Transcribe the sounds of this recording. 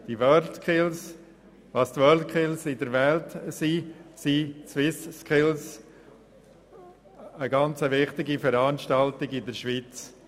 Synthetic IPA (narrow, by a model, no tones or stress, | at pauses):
d̥iʋœɾtkʰɪls | ʋɑst̪ʋœltkʰɪlsɪdəɾʋɛltsisit͡swɪsskʰɪls | əɡɑnt͡səʋɪχtɪɡifəɾɑnʃtɑltɪɡɪdəɾʃʋit͡s